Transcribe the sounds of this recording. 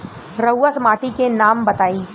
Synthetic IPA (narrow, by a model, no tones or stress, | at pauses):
ɾɐwːasmaːʈikenaːmbɐt̪aːiː